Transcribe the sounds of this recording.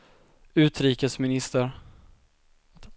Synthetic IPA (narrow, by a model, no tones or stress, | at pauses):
ʉ̟ːt̪ɾiːkəsmɪnɪst̪əɾ